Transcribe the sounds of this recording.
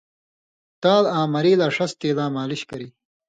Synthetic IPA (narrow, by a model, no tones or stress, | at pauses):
t̪aːlaːmɐɾiːlaːʂɐst̪eːlaːmaːliɕkɐɾiː